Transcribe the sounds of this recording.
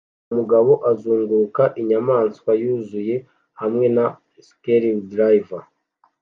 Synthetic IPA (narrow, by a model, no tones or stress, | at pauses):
umuɡaβo̞ʔazuːŋɡuɾukaʔiɲamaːnskwajuːzuje̞ | hamŋe̞na | skeɾidɾajva